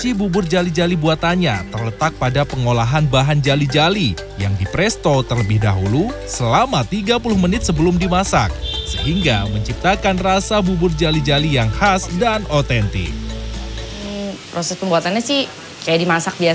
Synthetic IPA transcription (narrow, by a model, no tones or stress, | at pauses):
t͡ʃibubʊrd͡ʒalid͡ʒalibuat̪aɲat̪ərlət̪ak̚padapəŋolaɦanbaɦand͡ʒalid͡ʒali | jaŋdipɾɛst̪ot̪ərləbɪhda̰ɦulusəlamat̪iɡapulʊhmənɪt̪̚səbəlʊmdimasa̰k̚səɦiŋɡaməɲt͡ʃip̚t̪akanrasabubʊrd͡ʒalid͡ʒalijaŋhasdanot̪ɛnt̪ɪ̰k̩̚ | pɾosɛspəmbuat̪anɲasɪh | kajadimasak̚bia